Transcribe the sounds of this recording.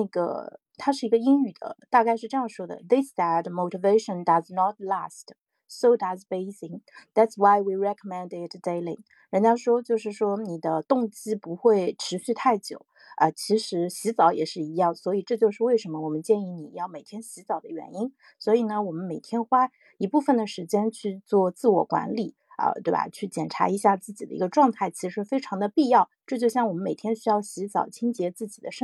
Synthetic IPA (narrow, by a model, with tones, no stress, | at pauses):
na˥˩ɡə̰˩ | t̪ʰa˥ʂ̬ɻ̩˥˩i˧˥ɡə˧i˥ŋy˨˩d̪ə̰˦t̪a˥˧ka˥˧ɪʂɻ̩˥˧ʈ͡ʂɤ˥˧jɑ˥˩ŋʂwɔ˥d̪ə̰˨ðɪ˥sðæ˧tmo˧˩ʊti˧ve˥ɪʂə̃˨ndɐ˨znɔ˧t̚la˥˩st | so˧ʊd̪a˧zbe˥ɪsi˨˩ŋðæ˧tswa˥ɪwi˨˧ɹɛ˧kʰəmɛ̃˥ndɪt̪d̥e˥ɪlḭ˧˩ŋ | ɻə˧˥nt͡ɕjɑ˥˧ʂwɔ˥t͡ɕjo˥˧ʊʂɻ̩˥˩ʂwɔ˥ni˨˩d̪ə˦t̪ʊ˥˩ŋt͡ɕi˥pu˧˥xwe˥˩ɪʈ͡ʂʰɻ̩˧˥ɕy˥˧t̪ʰa˥˩ɪt͡ɕjo̰˨˩˦ʊ | ə˧t͡ɕʰi˧˥ʂɻ̩˧˥ɕi˧˥t͡sɑ˧˥ʊjɛ̰˨˩ʂɻ̩˥˩i˧˥jɑ˥˩ŋswɔ˧˥i˨˩ʈ͡ʂɤ˥˧t͡ɕjo˥˧ʊʂɻ̩˥˧we˥˩ɪʂə˧˥nmə˧wɔ˨˩mə˦nt͡ɕjɛ˥˧ni˥˩ni˨˩jɑ˥˩ʊme˨˩ɪt̪ʰjɛ˥nɕi˧˥t͡sɑ˨˩ʊd̪ə˦ɥɛ̰˧˥ni˥n | swɔ˧˥i˨˩nə˦wɔ˨˩mə˦nme˨˩ɪt̪ʰjɛ˥nxwa˥ | i˧˥pu˥˩fə˩nd̪ə˩ʂɻ̩˧˥t͡ɕjɛ˥nt͡ɕʰy˥˧t͡swɔ˥˧t͡sɹ̩˥˩wɔ̰˨˩kwa̰˧˥nli˨˩˦ | ə̰˧t̪we˥˩ɪba̰˩t͡ɕʰy˥˩t͡ɕjɛ˨˩nʈ͡ʂʰa̰˧˥i˧˥ɕja˥˧t͡sɹ̩˥˩t͡ɕi˨˩ə̰˦ḭ˧˥ɡə˧ʈ͡ʂwɑ˥˧ŋt̪ʰa˥˩ɪt͡ɕʰi˧˥ʂɻ̩˧˥fe˥ɪʈ͡ʂʰɑ˧˥ŋd̪ə˧pi˥˧jɑ˥˩ʊʈ͡ʂɤ˥˧t͡ɕjo˥˧ʊɕjɑ˥˩ŋwɔ˨˩ə˦nme˨˩ɪt̪ʰjɛ˥nɕy˥jɑ˥˩ʊɕi˧˥t͡sɑ̰˨˩ʊt͡ɕʰi˥ŋt͡ɕjɛ˧˥t͡sɹ̩˥˩t͡ɕi̥˨˩d̪ə˦ʂ